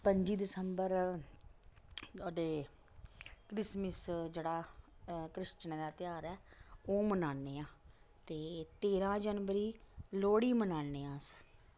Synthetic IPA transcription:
pəɲd͡ʒiːd̪ɪsəmbəɾ | t̪aːɖeː | kɾɪsməsd͡ʒeːɽaːkɾɪʃt͡ʃənːd̪aːt̪ɪjaːɾɛːoːmənaːneːãːt̪eːt̪eːɾãːd͡ʒənʋəɾiːloːɽiːmənaːneːãːs

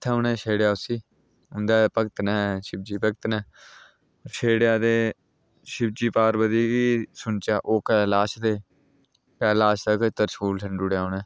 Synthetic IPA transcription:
t̪ʰːeʊnɛ̃ːʃeːɽejaːʊsiː | ʊ̃nd̪aːpəkt̪nɛːʃɪb̚d͡ʒiːpəkt̪nɛː | ʃeːɽjaːd̪eː | ʃɪb̚d͡ʒiːpaːɾbəd̪iːɡiːsʊɳt͡ʃaːʔoːkɛlaːʃd̪eː | kɛːlaːʃt̪aːkət̪əɾskuːlsəɳɖʊɽjaːonɛː

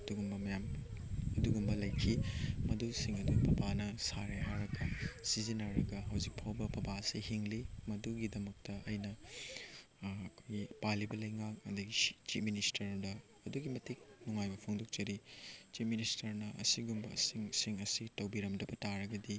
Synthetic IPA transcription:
ɐduɡumbɐmɐjamɐduɡumbɐlɐjkʰimɐdusiŋɐdupʰɐbanɐsaɾeɦaɾɐɡɐsizinɐɾɐɡɐɦɐwzik̚pʰawbɐpʰɐbaɐsihiŋlimɐduɡidɐmɐk̚tɐɐjnɐ | kʰojɡipalibɐlɐjŋak̚ɐ̰dɐɡit͡ʃit̚ministɐɾdɐː | duɡimɐtik̚nuŋajbɐpʰoŋdok̚t͡ʃɐɾit͡ʃip̚ministɐɾnɐʔɐ̰siɡumbɐ̰siŋsiŋɐsitɐwbiɾɐmdɐbɐtaɾɐɡɐdi

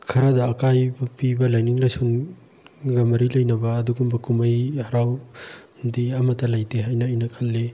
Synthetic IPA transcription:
kʰɐɾadɐːkajbpibɐlajniŋlajsun | ɡɐmɐɾilɐjnɐbɐːduɡumbɐkumɐjhaɾaw | diɐmɐtːɐlajtʰeɦajnɐːjnɐkʰɐlːe

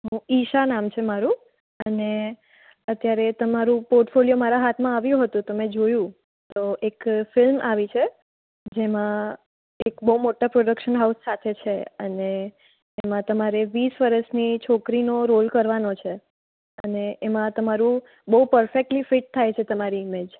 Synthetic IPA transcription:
ɦũiʃanamt͡ʃʰemaɾũ | əne | ət̪jaɾet̪əmaɾũpoɾʈfoljomaɾaɦat̪ʰmãaʋjũɦət̪ũt̪əmed͡ʒojũ | t̪oʔekfɪlmʔaʋit͡ʃʰe | d͡ʒemã | ekbəumoʈapɾoɖəkʃənɦausːat̪ʰet͡ʃʰeə̰ne | emãt̪əmaɾeʋisʋəɾəʃnit͡ʃʰokɾinoɾolkəɾʋanot͡ʃʰe | əneʔemãt̪əmaɾũ | bəupəɾfek̚ʈlifɪʈ̚t̪ʰːajt͡ʃʰet̪əmaɾiɪmed͡ʒ

